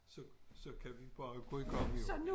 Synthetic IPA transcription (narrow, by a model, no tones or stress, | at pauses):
sɒsɒ̽kʰæʋib̥ɑ̈ːɡ̥ɔikʰɒmn